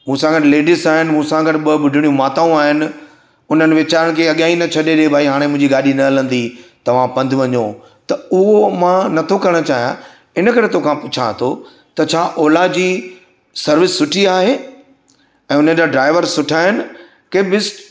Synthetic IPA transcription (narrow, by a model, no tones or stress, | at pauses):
mũːsãɡəʈleːɖɪsaːɦɪnɪmũːsãɡɐʈɪɓɐɓʊɖʱɪɽijũmaːt̪aũaːɦɪnɪ̆ | ʊn̤ənɪ̆ʋɪt͡ɕaːɾəɽ̃̆kʰeːɐɠãːinɐt͡ɕʰɐɗeɗiebʱaːiɦaːɽ̃emʊ̃ɦɪ̃ɲd͡ʑiɡaːɗinɐɐlə̃nd̪it̪ɐʋ̤ãpɐ̃nd̪ʱɪʋɐɲõː | t̪ɐʊɦomãnɐt̪ʰokɐɾəɽ̃ət͡ɕaːɦija̰ | ɪnə̆kɐɾet̪oːkʰãpʊt͡ɕʰa̰t̪ʰo | t̪ɐt͡ɕʰaːʔɔːlad͡ʑiː | sɐɾʋɪsːʊʈʰiaːɦeː | ɛ̃ːʊnəd͡ʑaːɖɾaːɪʋəɾsʊʈʰaːɦɪnɪ̆ | keːɓɪsʈ